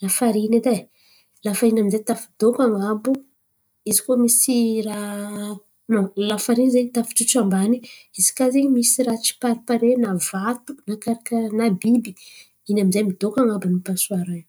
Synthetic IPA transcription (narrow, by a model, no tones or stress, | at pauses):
lafaɾined̪a | lafainamizet̪afi̥d̪okaŋabu | izi̥kuəmisira | nolafaɾinzeɲit̪afi̥t͡ʃuʈ͡ʂambaniizi̥kazeɲmisirat͡ʃi̥paɾipaɾenavat̪u̥nakaɾakənabibi̥ | inamizejmid̪̥okaŋabunipasuaɾaj